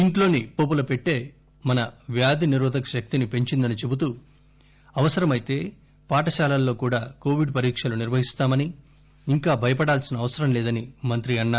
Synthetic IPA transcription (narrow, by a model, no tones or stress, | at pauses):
iɳʈlo̞ːnipoːp̬ulɐpe̞ʈːe̞ː | mɐnɐʋjaːd̪iniɾuːd̪ʱɐkɐʃɐk̚t̪inipe̞ɲt͡ʃind̪ɐnit͡ʃe̞but̪uː | ɐʋɐsɐɾɐmɐjt̪e̞ː | paːʈɐʃaːlalːo̞ːkuːɽaːko̞ːʋiɖpɐɾiːkʂɐluniɾʋɐɦist̪aːmɐniː | ŋkaːbʱɐjɐpɐɽaːlsinɐʋɐsɐɾɐmlɛːd̪ɐnimɐnt̪ɾiɐnːaːu